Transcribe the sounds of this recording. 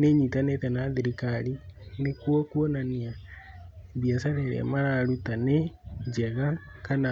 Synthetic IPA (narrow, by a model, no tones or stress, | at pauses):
neɲitanetanaðiɾikaɾinekwɔkwɔnania | βiasaɾeɾɛ̰maɾaɾutaned͡ʒɛɣa | kana